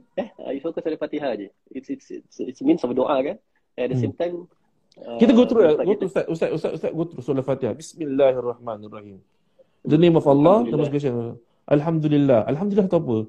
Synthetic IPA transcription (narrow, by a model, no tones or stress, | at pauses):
ɛha̰jufokəsɔləfat̪iɦad͡ʒi | ɪtsitssitsmĩnsɔfdoʔakan | ɛ̃ndəsẽmt̪ãjm | kit̪̬aɡot̪ɾulaɡot̪usaʔʔusaʔust̪aʔust̪aʔɡot̪ɾusolafat̪ihabismilːaharˤːɑħmanarˤːɑhim | d̪ənemɔfalːɑd̪əmɔ̃sɡas̬an | ʔalħamd̪ulilːahʔa̰lħamd̪ulilaht̪apə